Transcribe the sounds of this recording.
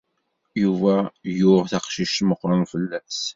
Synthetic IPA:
juvæjʊʁθɑqʃiʃt̪məqːɾˤɑnfəlːæs

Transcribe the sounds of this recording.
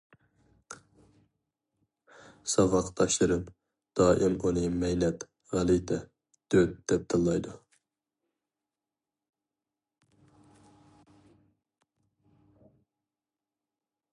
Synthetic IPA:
sɑvɑqd̪ɑʃlˠɨɾɨn | d̪̥ɑːʔimʔunɨmɛjnɛt̪ | ʁælˠit̪ʰɛ | d̪̥øt̪̚d̪̥ɛp̚t̪ʰɨlˠːɑjd̪u

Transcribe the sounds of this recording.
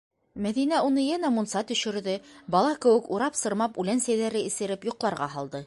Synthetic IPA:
mæðinæunɤjænæmunsɑt̪ɵ̆ʃɘ̆ɾðɘbɑlˠɑkɘ̆wɘ̆kuɾɑpsɤ̆ɾmɑpʉlænsæjðæɾɘɘ̆sɘ̆ɾɘpjŭqlˠɑɾʁɑɦɑlˠd̪ɤ

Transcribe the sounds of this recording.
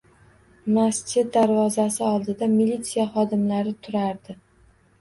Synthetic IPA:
mast̪ed̪aɾvɒzasɪɒlˠd̪ɪd̪amilʲːit̪sijaχɒd̪ɪmlaɾɪt̪ʰʊɾaɾd̪ɪ

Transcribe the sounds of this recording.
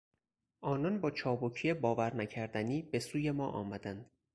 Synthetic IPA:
ʔɒːnɒnbɒːt͡ʃʰɒːbocʰiːjebɒːvæɾnæcʰæɾd̪æniːbe̞suːje̞mɒːʔɒ̰ːmæd̪ænd̪̥

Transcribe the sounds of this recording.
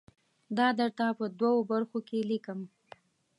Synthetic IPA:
d̪ɑd̪əɾt̪apəd̪wawobaɾxokelikəm

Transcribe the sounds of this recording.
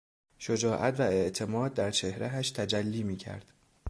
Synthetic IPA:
ʃod͡ʒɒːʔæt̪ʰvæe̞ʔt̪ʰe̞mɒːd̪̚ːæɾt͡ʃʰe̞hɾææʃt̪ʰæd͡ʒælːiːmiːcʰæ̰ɾd̪̥

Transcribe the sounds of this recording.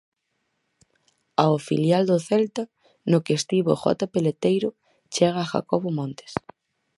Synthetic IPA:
aofiljald̪oθɛlt̪a | nokest̪iβo̰xɔ̰t̪apelet̪ejɾʊ | t͡ʃɛɣaːxa̰koβomɔ̃nt̪e̥s

